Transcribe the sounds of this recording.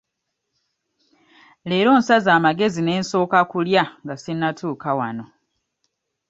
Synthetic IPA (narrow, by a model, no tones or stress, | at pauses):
le̞ːɾo̞ːnsazaːmaɡe̞zine̞ːnso̞ːkakuljaŋɡasinːatuːkawano̞